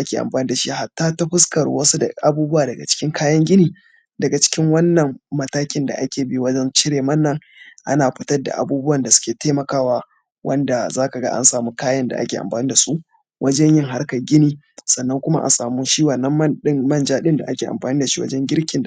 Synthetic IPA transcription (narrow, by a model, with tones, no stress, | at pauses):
ʔa˦kʲeː˨ʔa̰˨mɸaː˨niː˦da˨ʃi˦ha˨tːaː˦ta˦ɸʊ˦skɐ˨rwɐ˦su˦dɐ̰˨ʔa˨buː˦bʊ˦waː˨dɐ˨ɡa̰˨t͡ʃɪ̥˦kʲɪ˦ŋkaː˦jɐ˦ŋɡʲɪ˦niː˨ | dɐ˨ɡa˨t͡ʃɪ̥˦kʲɪ˦ŋwɐ˦nːɐ˨ŋmɐ˦taː˦kʲɪ˦nda̰˨ʔa˦kʲeː˨bi˦wɐ˦d͡ʒɛ˦nt͡ʃɪ˦ɽeː˨mɐ˦nːɐ˦ŋ | ʔa˦naː˨ɸɪ˦tɐ˦dːa̰˨ʔa̰˨buː˦bʊ˦wɐ˨nda˨sʊ̥˦kʲeː˨teː˦mɐ˨kaː˦waː˦ | wɐ̰˦nda˨zaː˦ka˨ɡa̰˦ʔa̰˦nsaː˨mu˦kaː˦jɐ˦nda̰˨ʔa̰˦kʲeː˨ʔa̰˨mɸaː˨niː˦da˨su˦ʔ | wʔɐ˦d͡ʒɛ˦ɲjɪ˦ŋɦa˦rkɐ˨ɡʲɪ˦niː˦ | sɐ˨nːɐ˦ŋkʷʊ˦ma̰˦ʔa̰˨saː˨mu˦ʃiː˦wɐ˨nːɐ˦m˦ɗɪ˦ŋmɐ˦nd͡ʒaː˦ɗɪ˦nda˨ʔa˦kʲeː˨ʔa̰˨mɸaː˨niː˦da˨ʃi˦wɐ̰˦d͡ʒɛ˦ŋɡʲɪ˦ɾkʲɪ˨n˨